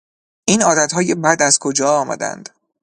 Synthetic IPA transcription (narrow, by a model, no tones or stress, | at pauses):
ʔiːnɒːd̪æt̪hɒːjebæd̪æz̥kʰo̞d͡ʒɒːɒːmæ̰d̪æ̰nd̪̥